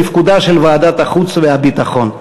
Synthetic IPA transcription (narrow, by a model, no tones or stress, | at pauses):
ifkud̪aʃelvaːd̪at̪aχut͡svehabit̪aχo̞n